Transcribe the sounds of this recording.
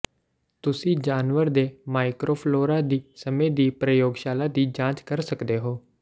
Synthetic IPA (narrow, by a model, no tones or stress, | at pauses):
t̪ʊsĩːd͡ʒaːnʋəɾd̪eːmaːɪkɾoːpʰloːɾaːd̪iːsəmẽːd̪iːpɾəjoːɡʃaːlaːd̪iːd͡ʒãːt͡ʃkəɾsəkd̪eːɦoː